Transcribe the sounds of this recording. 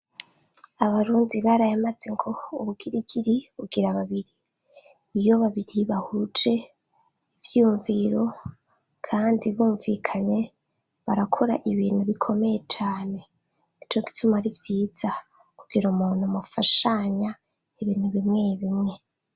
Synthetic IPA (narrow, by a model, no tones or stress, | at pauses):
aβaɾuːndiβaɾajamaze̞ŋɡo̞uβuɡiɾiɡiɾiβuɡiɾaβaβiɾiː | joβaβiɾiβahut͡ʃe̞ | ivjiuɱviɾo̞ | kʰaːndiβuːɱvikʰaɲe̞ | βaɾakʰo̞ɾa̰ʔiβiːn̥huβikʰo̞me̞je̞t͡ʃaːne̞ | it͡ʃo̞ɡi̥tʰumaɾivjiːz̥a | kʰuɡ̥iɾumuːn̥humufaʃaɲa | iβiːn̥huβimŋeβimŋe̞